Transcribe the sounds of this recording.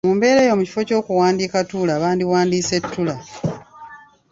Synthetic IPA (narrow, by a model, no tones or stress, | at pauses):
muːmbe̞ːɾe̞ːjo̞muci̥fo̞co̞ːkuwaːndiːkatuːlaːβaːndiwaːndiːse̞tʰːula